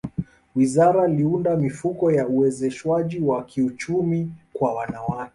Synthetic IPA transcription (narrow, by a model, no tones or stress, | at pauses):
wizaɾaliundamifukɔjauwɛzɛʃwaʄiwakiut͡ʃumikwawanawakɛ